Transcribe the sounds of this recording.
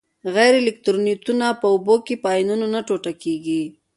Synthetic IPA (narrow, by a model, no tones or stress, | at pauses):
ɣɛjɾelɪk̚t̪ɾonit̪unapəʊbokepəːjnunonaʈoʈakeɡi